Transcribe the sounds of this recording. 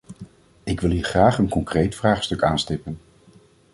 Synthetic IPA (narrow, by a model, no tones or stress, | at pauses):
ɪkʋɪlˠɦiːɹχraːχənkɔŋkrejtfraːχstɵkaːnstɪpən